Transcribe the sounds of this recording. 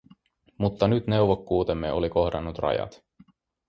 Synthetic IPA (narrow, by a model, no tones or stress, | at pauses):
mut̪ːɑnyt̪ne̞wʋokːuːt̪emːeoliko̞hdɑnːut̪rɑ̰jɑ̰t̪